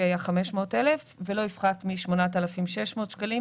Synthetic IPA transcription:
ajaχame̞ʃmo̞ːtelefve̞lo̞ifχatmiʃmo̞nat̪alafimʃeʃmo̞ːt̪ʃkali

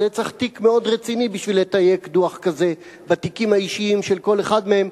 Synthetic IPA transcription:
let͡saχtikme̞o̞dʁet͡sinibiʃvilhet̪aje̞kduaχkaze̞ | bat̪ikimhaiʃiimʃelko̞le̞χadmehe̞m

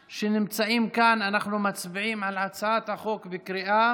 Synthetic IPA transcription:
ʃenɪmt͡saʔimkananaχnumat͡sbiʕimʕalʕat͡saʕat̪haχo̞kbekɾiʔa

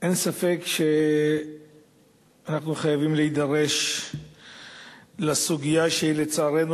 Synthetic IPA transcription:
ʔensafe̞kʃe | anaχnuχajavimleid̪aʁe̞ʃ | lasuɡijaʃeilet͡saːʁenu

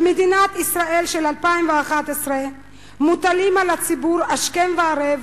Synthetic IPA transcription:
med̪inat̪isʁae̞lʃelalpaimveaχat̪esʁe | mut̪alimalat͡sibuʁaʃkenveaɾev

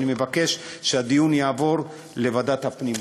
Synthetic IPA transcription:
nime̞vake̞ʃʃead̪ijunjaːvo̞ʁ | le̞vad̪at̪hapnim

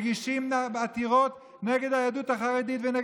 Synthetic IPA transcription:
ɡiʃimbat̪iʁo̞t | neɡe̞d̪hajad̪uthaχaʁedit̪vene

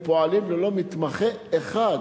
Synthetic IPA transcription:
poalimlelo̞mit̪maχeeχad

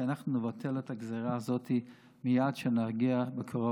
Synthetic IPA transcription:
anaχnunevatʰeletaɡzeʁaːzotʰi | mijadʃenaʁɡiabekʰoʁo

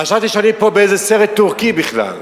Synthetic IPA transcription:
χaʃavt̪iʃanipobeejzesɛʁɛt̪ːuʁkibiχla̰l

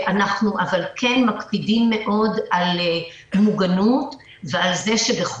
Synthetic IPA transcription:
ʔanaχnuʔavalkʰenmakpidimːe̞ʔo̞dal | muɡanut | vealze̞ʃebeχ

